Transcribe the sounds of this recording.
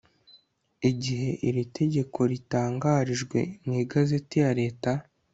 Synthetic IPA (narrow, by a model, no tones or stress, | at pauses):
iɟiɦe̞ʔiɾitʰe̞ɟe̞kʰo̞ɾitaːŋɡaːɾiʒɡwe̞̰mŋiːɡaze̞tijaɾe̞ːta